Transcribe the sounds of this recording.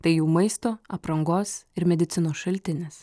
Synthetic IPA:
t̪ɐɪjuːmɐɪst̪oːɐpɾɐŋɡoːsɪɾmʲɛd̪ʲɪt̪sʲɪnoːsʃɐlʲt̪ʲɪnʲeːs

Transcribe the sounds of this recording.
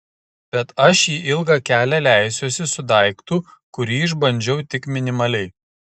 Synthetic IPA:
b̥ʲɛt̪ɐʃjiːʔɪlˠɡɑkʲæːlʲælʲæˑɪsʲoːsʲɪsʊd̪ɐɪkt̪ʊkʊɾʲiːɪʒbɐnʲd͡ʒʲɛʊt̪ʲɪkmʲɪnʲɪmɐlʲɛɪ

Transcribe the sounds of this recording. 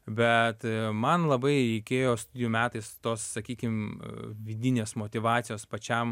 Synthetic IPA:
bʲɛt̪mɐnlˠɐbɐɪɾʲɛɪkʲeːjoːst̪ʊd̪ʲɪjuːmʲæːt̪ɐɪst̪oːssɐkʲiːkʲɪmʋʲɪd̪ʲɪnʲeːsmoːt̪ʲɪʋɑːt̪sʲɪjoːspɐt͡ʃʲɛm

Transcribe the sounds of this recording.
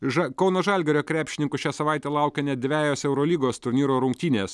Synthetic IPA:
ʒɐkɒʊnoːʒɑlʲɡʲɛɾʲoːkɾʲæːpʲʃʲɪnʲɪŋkʊʃʲæːsɐʋɑˑɪt̪ʲɛːlˠɑˑʊkʲɛnʲɛt̪̚ʲd̪ʲʋʲæːjoːsɛʊɾɔlʲiːɡoːst̪ʊɾʲnʲiːɾoːɾʊŋk̚t̪ʲiːnʲeːs

